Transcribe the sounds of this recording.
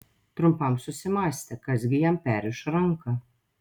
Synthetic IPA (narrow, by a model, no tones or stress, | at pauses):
t̪ɾʊmpɐmsʊsʲɪmɑːsʲt̪ʲɛkɐzʲɡʲɪjɛmpʲæːɾʲɪʃɾaŋka